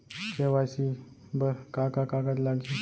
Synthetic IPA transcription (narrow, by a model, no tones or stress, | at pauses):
keʋaɕi | bəɾkakakaɡat̪̬laɡi